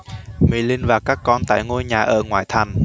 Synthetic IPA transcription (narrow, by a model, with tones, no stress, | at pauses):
mḭ˧˩lï˧ŋvaː˨˩kaː˦˥kːɔ˧nt̪a̰ː˧˨jŋo˧jɲaː˨˩ʔəː˧˩ŋwa̰ː˧˨jt̪ʰa˨˩jŋ̟